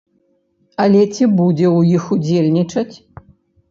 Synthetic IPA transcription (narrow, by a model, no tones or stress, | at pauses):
ɐlʲɛt͡sʲibud͡zʲɛwjixud͡zʲelʲnʲit͡ʂɐt͡sʲ